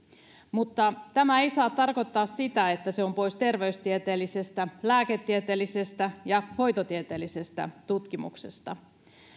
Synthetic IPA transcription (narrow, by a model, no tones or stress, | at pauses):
mut̪ːɑt̪æmæejsɑːt̪ːɑrko̞t̪ːɑːssit̪æet̪ːæseo̞mpo̞ist̪e̞rʋe̞yst̪iet̪eːlise̞st̪ælæːket̪ːiet̪eːlːise̞st̪æjɑho̞jt̪ot̪iet̪eːlise̞st̪æ̰t̪ut̪kimṵksest̪ɑ̰